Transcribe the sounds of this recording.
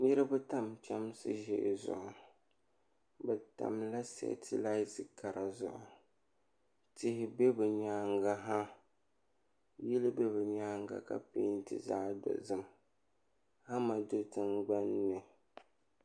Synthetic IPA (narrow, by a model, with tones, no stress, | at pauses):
ɲɪ˦ɾɨ˦bɨ˦ta˦mt͡ʃɛ˦msɨ˦ʒɛ̰˨ʔzʊ̰˨ʔʊ˨ | bɛ˨ta̰˨mla˦sɛ̰˨tʰi˦la˦ɪ˦tɨ˨ka˨ɾa˨zʊ̰˨ʔʊ˨ | tɪ˦hɪ˨be˦bɨ˨ɲaː˦ŋɡa˦ɦa˦ | ji˦lɨ˦be˦bɨ˨ɲaː˦ŋ˦ɡa̰˨ka̰˨peː˦n˦tɨ̰˦˨za˦do̰˨zɨ˦m | ha˦ma˨do˦tɨ˦ŋɡ͡ba˦nːɨ˨